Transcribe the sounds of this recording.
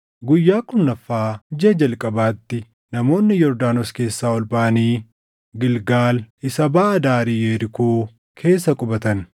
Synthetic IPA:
ɡʊjːaːkʼʊnːɐfːaːd͡ʒɛd͡ʒɐlkʼɐbaːt̪ːɪ | nɐmo̞ːnːɪjɔɾd̪aːnoske̞ːsːaːɔlbaːʔɐniː | ɡɪlɡaːlʔɪsɐbaːʔɐd̪aːɾijeːɾɪkuː | kʰe̞ːsːɐkʼʊbɐt̪ɐn

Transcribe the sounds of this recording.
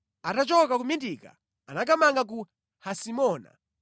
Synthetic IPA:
atat͡ʃɔkakumindika̰ | anak̬amaŋɡak̬u | hasimɔːna̰

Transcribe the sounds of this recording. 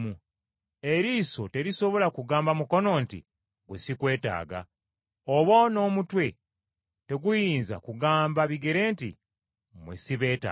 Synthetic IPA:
mu | e̞ɾiːso̞te̞ɾiso̞βo̞lakuɡaːmbamuko̞no̞ːntḭ | ɡwesikwe̞ːta̰ːɡa̰ | oβwono̞ːmutwe̞ | te̞ɡujiːnza̰kuɡaːmbaβiɡe̞ɾe̞ːntḭ | mwḛsiβe̞ːta̰

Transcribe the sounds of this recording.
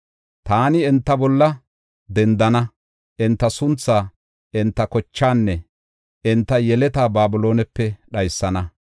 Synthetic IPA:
t̪aːnɪɛnt̪ːɐbɔlːɐ | d̪ɛnd̪ɐnɐ | ʔɪnt̪ːɐsʊnt͡sːaː | ɪnt̪ːɐkɔt͡ʃːaːnːɛ | ɪnt̪ːɐjɛlɛt̪aːbaːbʊlo̞ːnɛpːɛɗɐjsːɐnɐ

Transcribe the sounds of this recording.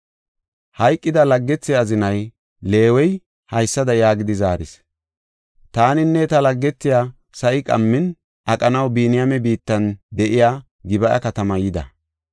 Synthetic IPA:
hɐjkʼːɪd̪ɐlɐɡːɛt͡sːɛɐzɪnɐj | le̞ːwɔj | hɐjsːɐd̪ɐjaːɡɪd̪ɪzaːɾɪs | t̪aːnɪnːɛt̪ɐlɐɡːɛt͡sːɪjaː | sɐʔɪkʼɐ̰mːɪn | ʔɐkʼɐnɐwbiːnɪjamɛbiːt̪ːɐnd̪ɛʔɪjaː | ɡɪbɐʔɐ̰kɐt̪ɐmɐjɪd̪ɐ̰

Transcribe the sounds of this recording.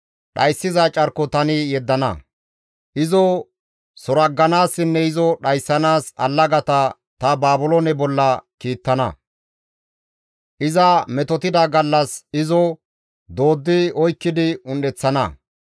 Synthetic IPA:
ɗɐjsːɪzɐt͡ʃʼɐɾkːɔt̪ɐnɪjɛd̪ːɐnɐ̰ | ʔɪzɔ | sɔɾɐɡːɐnaːsːɪnːɛɪzɔɗɐjsːɐnaːsɐ̰lːɐɡɐt̪ɐ | t̪ɐbaːbʊlonɛbɔlːɐkiːt̪ːɐnɐ̰ | ʔɪzɐmɛt̪ɔt̪ɪd̪ɐɡɐlːɐsɪzɔ | d̪o̞ːd̪ːɪɔjkːɪd̪ɪʊnɗɛt͡sːɐnɐ̰

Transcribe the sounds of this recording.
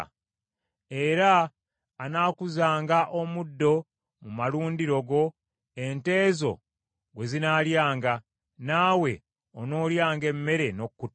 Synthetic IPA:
e̞ɾaː | naːkuzaːŋɡaʔo̞mudːo̞ | mumaluːndiɾo̞ɡo̞ | e̞nte̞ːzo̞̰ | ɡwe̞zinaːljaːŋɡa | naːwe̞ | ono̞ːljaːŋɡe̞mːe̞ɾe̞no̞kːut

